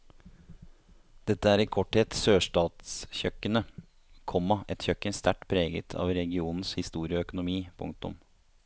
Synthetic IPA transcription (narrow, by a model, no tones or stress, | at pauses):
d̪̥ɛt̪ːəæːɾɪkʰɔʈheːt̪søːʂʈɑːt̪sçœkːənə | kʰɔmːɑɛt̪çœkːənst̪ʰæʈːpʰɾeːɡə̰t̪ʰɑ̰ːʋɾɛɡɪuːnn̩shɪst̪uːɾɪɔœkʊnʊmiːpʰʊ̰ŋ̚t̪ʊ̰m